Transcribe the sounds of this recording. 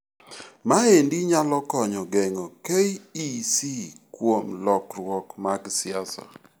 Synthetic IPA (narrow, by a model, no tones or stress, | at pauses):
maendiɲalɔkɔɲɔɡɛŋɔkeiisikwomlɔkɾwɔkmaɡsɪasɔ̰